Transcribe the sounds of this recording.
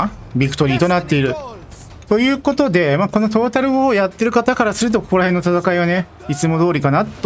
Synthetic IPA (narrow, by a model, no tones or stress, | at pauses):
bʲikɯ̟̥t̪o̞ɾʲiːt̪o̞nat̪ːe̞iɾɯ̟ | t̪o̞jɯ̟ːko̞t̪o̞d̪e̞maːko̞no̞t̪o̞ːt̪aɾɯ̟o̞jat̪ːe̞ɾɯ̟kat̪akaɾasɨɾɯ̟t̪̬o̞koko̞ɾahe̞nːot̪at̪akaiβane̞ | it͡sɨmo̞d̪o̞ːɾʲikanat̪ːo